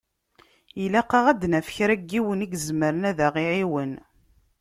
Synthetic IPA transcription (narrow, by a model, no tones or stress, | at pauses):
ilæqɑʁæd̪næfə̥çɾæɡːiwəniɡzməɾənæðæʁiʕiwən